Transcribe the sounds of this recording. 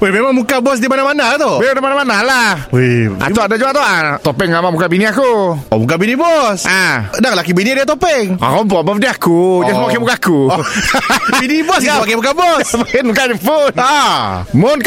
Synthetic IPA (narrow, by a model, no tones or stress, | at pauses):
wehmemaŋmukabɔs̬dimanamanat̪obedamanamanalahea̰uadad͡ʒuaʔt̪oʔant̪opɛŋːamamukabiniakuɔ̰mukabinibɔsadaŋlakibiniadiat̪opɛŋa̰kɔmpɔʔbɔfdiakuasmpakimukaaku | binibɔs̬apakɛmukabɔsanmukad͡ʒəpunamʊn